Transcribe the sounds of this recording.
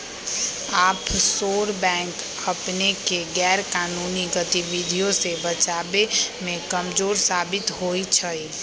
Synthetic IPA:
aːpsoːɾbɛ̃ːŋk | əpnekeɡɛːɾkaːnuːniɡət̪iʋid̪ʱijõsebət͡ʃaːbemẽkəmd͡ʒoːɾsaːbɪt̪ɦoːit͡ʃʰəi

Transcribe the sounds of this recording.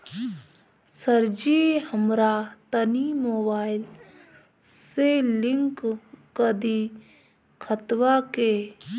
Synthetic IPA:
səɾd͡ʒihəmɾat̪ənimoːbaːɪl | selɪ̃ŋkkəd̪i | kʰət̪wake

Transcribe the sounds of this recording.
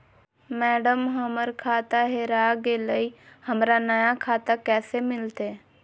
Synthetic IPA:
mɛːɖəmɦəməɾkʰaːt̪aɦeɾaːɡeləihəmɾanəjakʰaːt̪akɛːsemɪlt̪eː

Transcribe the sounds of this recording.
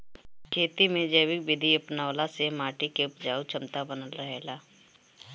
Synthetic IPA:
kʰeːt̪imẽd͡ʒəːʋɪk̚bɪd̪ʱiɐpnaːlasemaːʈikepd͡ʒaːut͡ʃʰəmt̪abənəlɾəɦelaː

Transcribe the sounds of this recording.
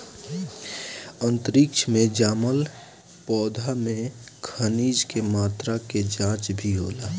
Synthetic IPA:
ə̃nt̪ɾɪkt͡ʃʰmẽd͡ʒaːməl | pɔːd̪ʱamẽkʰəniːd͡ʒkemaːt̪ɾaked͡ʒãːt͡ʃbʱiɦoːlaː

